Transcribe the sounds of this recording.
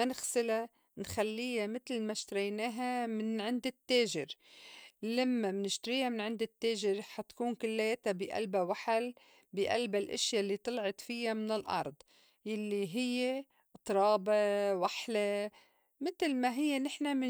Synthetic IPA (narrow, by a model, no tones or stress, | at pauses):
anɪxsɪla | nxalːiːamɪt̪lmaʃt̪aɾajnaːɦamɪnʕɪnd̪ɪt̪ːeːʒɪɾ | lamːamnɪʃt̪aɾiːhamɪnʕɪnd̪ɪt̪ːeːʒɪɾħat̪ḁkuːnkʊlːajet̪abɪʔa̰lbawaħal | biʔa̰lbalʔɪ̰ʃjalːit̪ˤɨlʕɑt̪fɪjamɪnɪlʔɑ̰ɾˤd̪ˤ | jalːiɦɪjːe | ʔt̪ˤɾˤɑːbewaħle | mɪt̪lmaɦɪjːenɪħnamɪ